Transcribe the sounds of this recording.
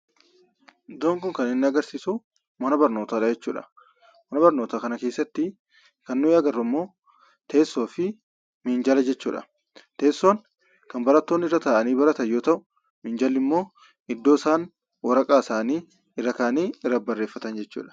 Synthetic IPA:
d̪oːŋkʊŋkɐnɪnːɪɐɡɐɾsiːsʊ | mɐnɐbɐɾno̞ːt̪aːɾɐd͡ʒɛt͡ʃːuːᶑɐ̥̰ | mɐnɐbɐɾno̞ːt̪aːkɐnɐke̞ːsːɐt̪ːɪ | kɐnːʊɪɐɡɐrːʊmːo̞ː | t̪ʰe̞ːsːo̞ːfɪ | mind͡ʒɐlɐd͡ʒɛt͡ʃːṵːᶑɐ̰ | t̪e̞ːsːoːn | kɐnbɐɾɐt̪ːo̞ːnːɪrːɐt̪aːʔɐniːbɐɾɐt̪ɐjo̞ːt̪ɐʔʊ | mɪːnd͡ʒɐlːɪmːo̞ː | ɪd̪ːoːsaːn | wɐɾɐkʼaːɪsaːniː | ɪrːɐkaːniːɪrːɐbɐrːe̞ːfːɐt̪ɐnd͡ʒɛt͡ʃːṵːᶑɐ̥

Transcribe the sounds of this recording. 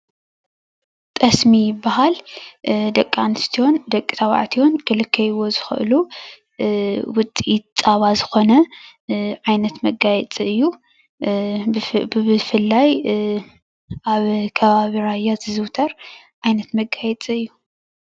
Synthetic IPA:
t̪ʼɐsmijɪbːahal | d̪ɐkʼːanɨst̪ʰio̞nd̪ɐkʼːi̥t̪ʰawa̰ʕt̪ʰionkɨlɨkʰːɐjwo̞zɨxɨ̰ʔɨlu | wʊt͡sʼiitt͡sʼaβazɨxo̞nɐ | ʕajnɐt̪mɐɡajɛt͡sʼiɨjːu | bɨfɨlːaj | ʔaβkʰɐβaβiɾajːazɨzɨwt̪ʰɐɾ | ʕajnɐt̪mɐɡːajɛt͡sʼiɨjːu

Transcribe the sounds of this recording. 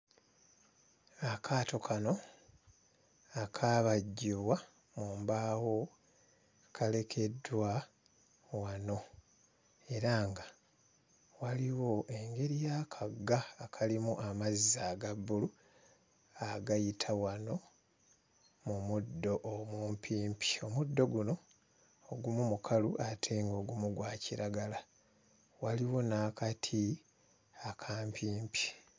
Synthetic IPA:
akʰaːto̞kʰano̞ | akʰaːβaɟːiβwa | muːmbaːwo̞ | kʰale̞kʰe̞dwa | wano̞ | e̞ɾaŋɡa | waliwo̞ʔe̞ŋɡe̞ɾijaːkʰaɡːaːkʰalimuʔamazizaɡabːulu | aɡajitʰawano̞ | mumudːo̞ʔomuːmpʰiːmpi̥o̞mudːo̞ɡuno̞ː | ɡumumukʰaluʔatʰeːŋɡo̞ːɡumuɡwaːciɾaɡala | waliwo̞naːkatʰi | akʰaːmpʰiːmpi̥

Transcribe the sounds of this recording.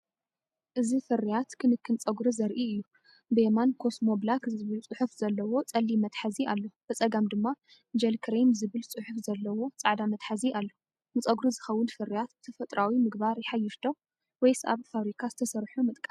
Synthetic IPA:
ʔɨzifɨɾijat̪kʰɨnɨkːɨnt͡sʼɐɡɾizɐɾʔiɨjːu | bɨemankʰo̞smo̞blakzzɨβɨlt͡sʼɨħufz̥ɐlːɐwo̞t͡sʼɐlːimɐt̪ħaziʔalːob̥ɨt͡sʼɐɡamd̪ɨmːa | d͡ʒɐlkʰɾemzɨβɨlt͡sʼɨħufzɐlːɐwo̞t͡sʼaʕd̪amɐt̪ħaziʔalːo | nɨt͡sʼɐɡɾuzɨxɐwːʊnfɨɾijat̪ɨt̪ʰɐfɐt̪ʼɾawimɨɡbaɾjɪħajːɪʃd̪o̞ | wɔjsa̰βfaβɾikʰazɨt̪ʰɐsɐɾħumɨt̪ʼkʼa

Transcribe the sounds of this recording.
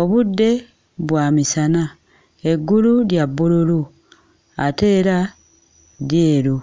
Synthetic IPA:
o̞βudːe̞ | βwaːmisana | eɡːululjabːululu | ate̞ːɾa | djeːɾu

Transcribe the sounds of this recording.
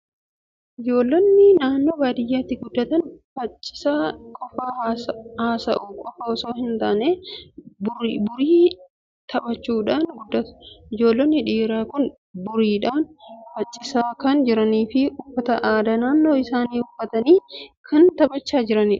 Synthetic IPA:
ʔɪd͡ʒo̞ːlːɐnːɪnaːnːo̞ːbaːd̪ɪjːaːt̪ːɪɡʊd̪ːɐt̪ɐnfɐt͡ʃʼːɪ̥saːkʼɔfaːhaːsɐhaːsɐʔʊkʼɔfɐɔso̞ːhɪnt̪aːʔneːbʊbʊɾiː | t̪ʰɐbɐt͡ʃːuːᶑaːnɡʊd̪ːɐt̪ʊ̥ʔɪd͡ʒo̞ːlːɐnːɪᶑiːɾaːkʊn | bʊɾiːᶑaːnfɐt͡ʃʼːɪsaːkɐnd͡ʒɪɾɐniːfɪʊfːɐt̪ɐʔaːd̪ɐnaːnːo̞ːɪsaːniːʊfːɐt̪ɐniːkʰɐnt̪ɐbɐt͡ʃːaːd͡ʒɪɾɐnɪᶑ

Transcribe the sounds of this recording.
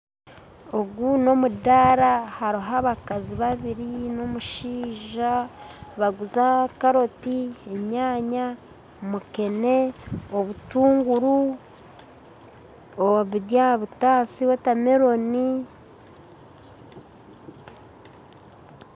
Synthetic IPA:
o̞ɡuno̞mudaɾahaɾiɦaβakaziβaβiɾino̞muʃiːʒaβaɡuzakaɾo̞tie̞ɲaːɲa | muke̞ne̞o̞βutuːŋɡuɾu | oβiɾjaβutaːsiwetame̞ɾo̞ni

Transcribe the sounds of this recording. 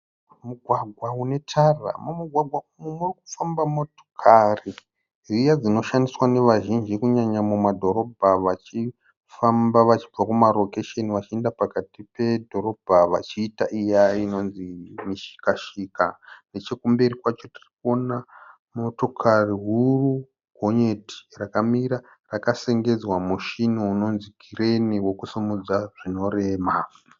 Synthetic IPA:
muɡʱwaɡʱwaune̞tʰara̰mumuɡʱwaɡʱwaumumurik̚u̥fambamo̞to̥kʰari | ʐijad͡zino̞ʃandiswane̞ʋaʒind͡ʒikuɲaɲamumadʱo̞ɾo̞bʱaʋat͡ʃi | fambaʋat͡ʃib͡vakumalo̞keʃeniʋat͡ʃie̞ndapakatipe̞dʱo̞ɾo̞bʱaʋat͡ʃiːtaʔijaino̞nzimiʃi̥kaʃikane̞t͡ʃe̞kumbe̞rikwat͡ʃo̞ti̥riko̞na | mo̞to̞kʰariɦuru | ɡʱo̞ɲe̞ti̥rakamiɾa | rakase̞ŋɡe̞d͡zwamuʃinouno̞nzikʰireniwo̞kusumud͡zaʐ̥ino̞re̞ːma

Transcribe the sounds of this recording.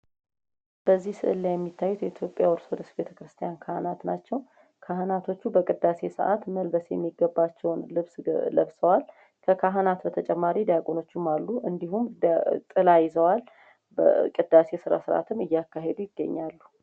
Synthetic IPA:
b̥əzːihsɨ̰ʔɨlːajɛmːit̪ʰːajːut̪jɛit̪ʰjo̞pʼjawɔɾsod̪əsbe̞t̪ʰəkɾɨst̪ʰijankʰahnat̪nat͡ʃːɛw | kʰaɦnat̪ʰo̞t͡ʃːubəkʼɨd̪ːase̞sə̰ʔat̪məlbəsjɛmːiɡəbːat͡ʃːɛwnlɨβsləβsəwal | kʰəkʰaɦnat̪bət̪ʰət͡ʃʼɛmːaɾid̪ajakʼonot͡ʃːumːalːuʔɨnd̪iɦumt̪ʼɨlajɪzəwal | bəkʼɨd̪ːase̞sɨɾa̰sɨɾa̰t̪ʰɨmɨjːakːaɦe̞d̪ujɪɡːə̰ɲːalːu

